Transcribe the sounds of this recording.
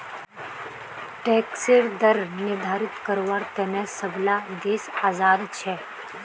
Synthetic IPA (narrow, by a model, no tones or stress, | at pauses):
ʈɛːkseɾd̪əɾnɪɾd̪ʱaːɾɪt̪kəɾoʋaːɾt̪ɛːnɛ̃səblad̪eːsaːzaːd̪t͡ʃʰɛː